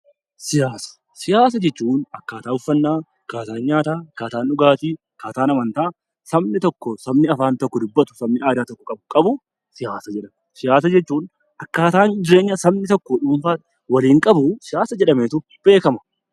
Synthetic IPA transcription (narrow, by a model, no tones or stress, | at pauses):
sɪjaːsɐ̥ | sɪjaːs̬ɐd͡ʒɛt͡ʃːuːnɐkːaːt̪aːʊfːɐnːaː | kaːt̪aːnɲaːt̪aːkːaːt̪aːnʊɡaːt̪i | kaːt̪aːnɐmɐnt̪aː | sɐbnɪt̪ɔkːɔsɐbnɪɐfaːnt̪ɔkːɔd̪ʊbːɐt̪ʊ̥sɐmnɪʔaːd̪aːt̪ɔkːɔkʼɐbʊkʼɐbʊ | sɪjaːsɐd͡ʒɛᶑɐmɛsɪjaːs̬ɐd͡ʒɛt͡ʃːuːn | ʔɐkːaːt̪aːnd͡ʒɪɾe̞ːɲːɐsɐbnɪt̪ɔkːɔᶑuːnfaːt̪ | wɐliːŋkʼɐbʊsɪjaːsɐd͡ʒɛᶑɐmeːt̪ʊ | b̥e̞ːkɐmɐ̥